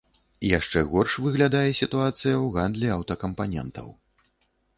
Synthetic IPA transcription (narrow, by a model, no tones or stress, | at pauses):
ijaʂt͡ʂɛɣɔrʂvɨɣlʲad̪ajɛsʲit̪uat̪sɨjɐwɣand̪lʲiawt̪ɐkɐmpanʲɛ̰nt̪ɐ̰w